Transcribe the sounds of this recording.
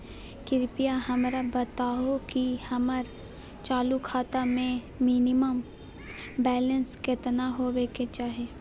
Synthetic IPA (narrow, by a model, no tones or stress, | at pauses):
kɪɾpijaɦɐmɾabət̪aːokihɐməɾ | t͡ʃaːlukʰaːt̪amẽ | miːnɪməm | bɛːlənskɪt̪naɦoweket͡ʃaːɦeː